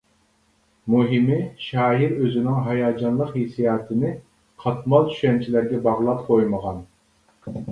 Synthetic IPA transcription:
muɦɪmɪʃɑːɦiɾøzɪnɪŋɦɑjɑːd͡ʒɑnlˠəqhesijɑːt̪ʰɨnɪ | qʰɑt̪mɑlˠt̪ʰy̥ʃɛnt͡ʃʰilæɾɡʲɛbɑʁlˠɑp̚qʰojməʁɑn

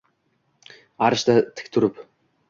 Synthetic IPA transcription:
aɾə̆ʃt̪at̪ʰɘ̥̆k̚t̪ʰuɾɘ̆p

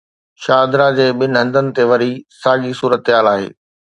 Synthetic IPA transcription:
ʃaːd̪ɾad͡ʑeːɓɪnɪɦɐ̃nd̪ənɪ̆t̪eʋɐɾisaːɠisuːɾət̪ɪɦaːlaːɦḛː

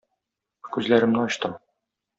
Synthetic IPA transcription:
kʉzlæɾɘ̆mnɘɒɕt̪ɤ

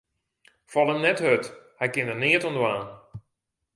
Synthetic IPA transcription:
fɔlˠəmnɛthøthɛjkɪnəniətɔndəwaːn

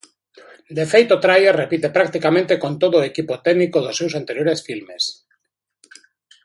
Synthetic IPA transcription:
d̪efejt̪ot̪ɾajeɾrepit̪e̞pɾak̚t̪ikamẽnt̪eko̞nt̪oðoekipot̪eɣnikoðosːewsant̪eɾjoɾesfilmes

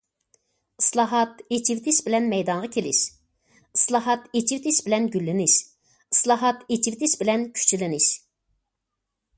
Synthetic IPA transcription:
ɨslˠɑɦɑt̪et͡ʃʰivt̪ʰɪʃbɪlɛnmɛjd̪ɑŋʁɑkʲʰelɪ̰ʃ | ɨslˠɑɦɑt̪et͡ʃʰift̪ʰɪʃbɪlɛnɡʲylːɪnɪʃ | ɨ̥slˠɑɦɑt̪et͡ʃʰift̪ʰɪʃbɪlɛnkʲʰy̥t͡ʃʰlɪnɪʃ

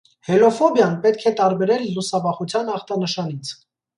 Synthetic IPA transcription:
hɛlɔfɔbjɑnpɛt̪kʰɛt̪ɑɾbɛɾɛlːusɑvɑχut͡sʰjɑnɑχt̪ɑnəʃɑnit͡sʰ

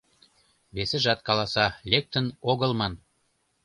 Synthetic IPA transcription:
βesĕʒɑt̪̚kɑlɑsɑlʲek̚t̪ə̆noɣə̆lmɑn

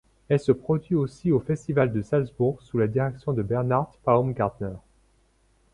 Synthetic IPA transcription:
ɛlsəpχɔd̪ɥiosiofɛst̪ivald̪əsalzbuʁɡsulad̪iʁɛksjɔ̃d̪əbɛʁnaʁd̪paomɡaʁd̪nœʁ

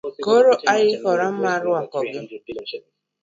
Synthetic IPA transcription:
ɡoɾoʔajɪhɔɾam̩maɾʊakɔɡɪ

